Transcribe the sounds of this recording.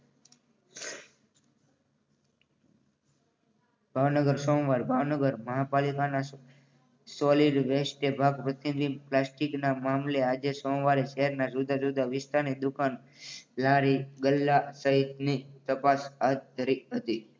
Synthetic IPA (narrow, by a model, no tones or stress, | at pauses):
bʱaʋnəɡəɾsɔ̃mʋaɾbʱaʋnəɡəɾməɦapalikana | sɔliɖʋesʈebʱaɡpɾət̪inʋimplasʈiknamamlead͡ʒesɔ̃mʋaɾeʃəɦɛɾnasud̪ʱad͡ʒud̪ʱaʋɪst̪anid̪ukan | lãɾiɡəlːasəɦit̪nit̪əpasaɦt̪̚d̪ʱəɾiɦət̪i